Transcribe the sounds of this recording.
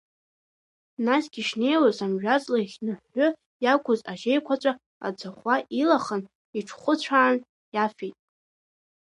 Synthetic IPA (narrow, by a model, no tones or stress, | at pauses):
nasɡ̥ʲiʂne̞jwazamʒᶣat͡sʼlaχʲnɨħːʊ | jakʷʰʊzaʒejkʷʰat͡ʃʷʼa | a̰d͡zʰaχʷaʔilaχən | iʈ͡ʂʰχʷʊt͡ɕʷʰaːn | jafejtʼ